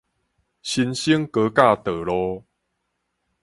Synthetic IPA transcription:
ɕi˧nɕi˦əŋkə˧˦ka˥˧˨t̪ə˨˩lɔ˧

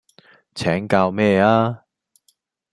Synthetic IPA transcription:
t͡sʰɛː˨˥ŋkaː˧wmɛː˥˧aː˥

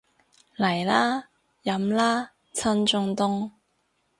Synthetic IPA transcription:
lɐ˨˩jlaː˥ | jɐ˨˧˥mlaː˥ | t͡sʰɐ˥nt͡sʊ˧ŋt̪ʊ˥ŋ

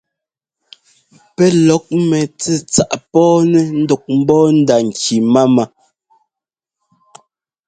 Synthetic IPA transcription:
pɛ˦lɔ˨˦k̚mɛ˨t͡sɛ˦t͡sa˨ʔpɔː˦nɛ˦n̩˦dɔ˨k̚m̩˦bɔː˦n̩˦da˨ŋ̩˨ki˨ma˦ma˦

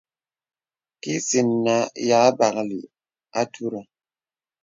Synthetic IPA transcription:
ki˦si˨nːa˦ja˨˦ba˨kli˨ | a˦tʰu˦ɾa˨

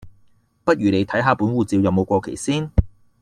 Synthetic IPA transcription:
pɐ˥t̚ɥyː˨˩le˨˧jt̪ʰɐ˨˥jɦaː˨˧puː˨˥nwuː˨t͡siː˧wjɐ˨˧wmo˨˧wkʷɔː˧kʰḛ˨˩jsiː˥n

